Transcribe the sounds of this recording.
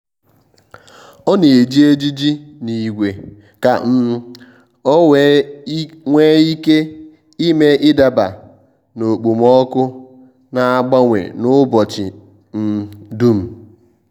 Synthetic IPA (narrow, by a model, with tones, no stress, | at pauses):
ɔ˦ne˨e˨d͡ʒi˦e˦d͡ʒi˦d͡ʒi˦ni˨ɡʷe˨ | ka˨m̩˦ | ɔ˦we˦ | ŋʷe˦i˦ke˦ | i˦me˦ʔɪ˦da˨ba̰˨ | no˨k͡pu˨m˦ɔ˦kʊ˦ | na˨a˦˨ɡ͡ba˦ŋʷḛ˨nʊ˦bɔ˨t͡ʃɪ̰˨ | n̩˦du˦m̩˨